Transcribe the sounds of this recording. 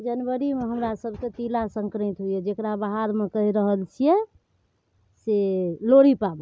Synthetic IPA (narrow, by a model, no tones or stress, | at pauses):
d͡ʒənwəɾimeɦəmɾasəbʱket̪ilasəŋkɾit̪ɦujɛd͡ʒekɾabaɦaɾmekəɦiɾəɦəlt͡ʃʰijɛ | seloɽipab